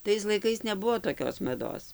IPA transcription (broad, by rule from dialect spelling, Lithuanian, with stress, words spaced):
ˈtɐɪs lˠɐɪˈkɐɪs nʲɛˈbʊʋoː toːˈkʲoːs mɐˈdoːs